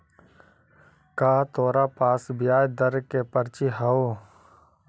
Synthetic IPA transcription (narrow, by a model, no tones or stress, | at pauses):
kaːt̪ʰoːɾapaːsbɪjaːjd̪əɾkepəɾt͡ʃiɦɐo